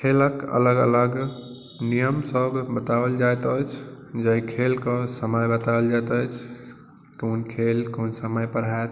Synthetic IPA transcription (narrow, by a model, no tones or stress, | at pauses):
kʰeləkə̰ləɡə̰ləɡ | nijəmsəbbət̪awəld͡ʒajt̪ət͡ʃʰ | d͡ʒəkʰelkəsəməjbət̪aəld͡ʒajt̪ət͡ʃʰ | konkʰelkonsəməjpəɾaet̪